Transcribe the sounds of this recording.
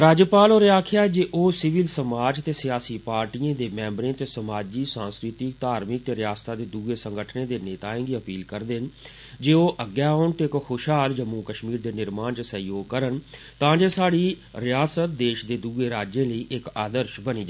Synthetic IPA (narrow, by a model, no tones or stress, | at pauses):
ɾaːd͡ʒəpaːloːɾaːkʰɪjaːɛːd͡ʒeːʔoːsɪʋɪlsəmaːd͡ʒt̪eːsɪjaːsiːpaːɾʈiːãːd̪eːmɛ̃ːmbɾẽːt̪eːsəmaːd͡ʒiːsãːnskɾɪt̪ikt̪aːɾmɪk̚t̪eːɾɪjaːst̪aːd̪eːd̪uːɡeːsə̃ŋɡəʈʰnẽːd̪eːneːt̪aːẽːɡiːəpiːlkəɾd̪ɪn | d͡ʒeːoːʔəɡːjaːoʊːɳt̪eːkhoːʃɦaːld͡ʒəmːũːkəʃmiːɾd̪eːnɪɾmaːnt͡ʃəsəijoːɡ̚kəɾən | t̪ãːd͡ʒeːsaːɽiː | ɾɪjaːsət̪̚d̪eːʃd̪eːd̪uːɡeːɾaːd͡ʒẽːləiːʔɪkaːd̪əɾʃbəniːd͡ʒa